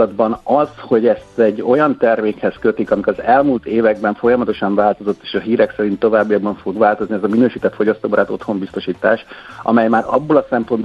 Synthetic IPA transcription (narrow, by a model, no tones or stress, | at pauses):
ɒd̪bɒnɒzho̞ɟɛst̪ɛɟːo̞jɒnt̪ɛrmeːkhɛskø̞t̪ikɒmikɒzɛlmult̪eːvɛɡ̚bɛɱfo̞jɒmɒt̪o̞ʃɒɱvaːlt̪o̞zo̞t̪ːe̥ːʃɒɦiːɾɛksɛɾint̪ːo̞vaːbːijɒɡbːɒɱfo̞ɡʋvaːlt̪o̞zniɛzɒminøːʃiːt̪ɛt̪fo̞ɟɒst̪oːbɒɾaːt̪o̞t̪ho̞mbist̪o̞ʃiːt̪aːʃʔɒ̰mɛjmaːɾɒ̰bːo̞lɒsɛmpo̞nd̪b